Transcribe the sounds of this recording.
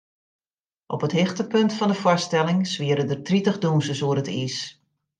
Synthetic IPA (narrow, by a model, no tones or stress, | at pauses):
ʔɔpətɦɪxtəpɵntfɔndəfɔstɛlɪŋsʋiəɾədərtritəχdunsəsuərətis